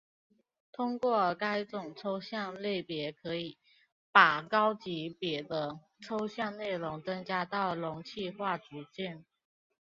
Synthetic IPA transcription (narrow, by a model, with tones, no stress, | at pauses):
t̪ʰʊ˥ŋkwɔ˥˩ka˥ɪʈ͡ʂʊ˨˩ŋʈ͡ʂʰo˥ʊɕjɑ˥˧ŋle˥˩ɪpjɛ˧˥kʰɤ˧˥i˨˩ | pa˨˩kɑ˥ʊt͡ɕi˧˥pjɛ˧˥d̪ə˧ | ʈ͡ʂʰo˥ʊɕjɑ˥˧ŋne˥˩ɪlʊ˧˥ŋt͡sɤ˥ŋt͡ɕja˥t̪ɑ˥˩ʊlʊ˧˥ŋt͡ɕʰi˥˧xwa˥˩ʈ͡ʂu˧˥t͡ɕjɛ˥˩n